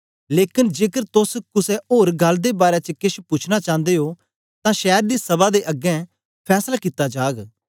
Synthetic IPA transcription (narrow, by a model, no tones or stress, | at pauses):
leːkɪnd͡ʒeːkəɾt̪ʊskʊsɛoːɾɡəld̪eːbaːɾɛːt͡ʃəkɪʃpʊt͡ʃʰnat͡ʃãːnd̪eːɦoː | t̪ãʃɛːɾd̪iːsəbaːd̪eːʔəɡɛ̃ː | pʰɛːslaːkit̪ːad͡ʒaːɡ